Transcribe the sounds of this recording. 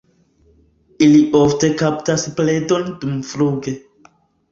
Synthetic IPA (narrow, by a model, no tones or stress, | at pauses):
iliʔofte̞kaptaspledo̞ndumfɾuɡe̞